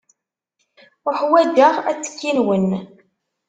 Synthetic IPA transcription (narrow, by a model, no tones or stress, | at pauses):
ʊħwæd̪əʁæt͡sːə̥kːinwən